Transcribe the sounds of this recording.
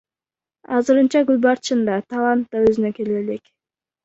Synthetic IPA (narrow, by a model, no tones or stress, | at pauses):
ɑzɯɾɯnt͡ʃɑɡylʲbɑɾt͡ʃɯnd̪ɑt̪ʰɑlˠant̪ːɑøzynøke̞leːlek